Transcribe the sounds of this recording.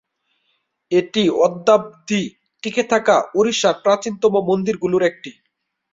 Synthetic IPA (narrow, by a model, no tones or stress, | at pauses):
eʈiɔd̪ːab̚d̪i | ʈiket̪ʰakaoɾiʃaɾpɾat͡ɕint̪ɔmomond̪iɾɡuluɾek̚ʈi